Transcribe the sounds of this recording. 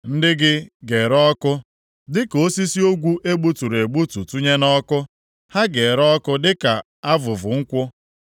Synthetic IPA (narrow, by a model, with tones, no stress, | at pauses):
n̩˦dɪ˦ɡɪ˦ɡe˨ɾɔ˦kʊ˦ | dɪ˦ko˦si˦si˦o˦ɡʷu˦ʔe˦ɡ͡bu˦tu˨ɾe˨ɡ͡bu˦tu˨tu˦ɲe˦nɔ˦kʊ˦ | ha˦ɡe˨ɾɔ˦kʊ˦dɪ˦ka˨ | a˦vʊ˨vʊ˨ŋ̩˦kʷʊ˦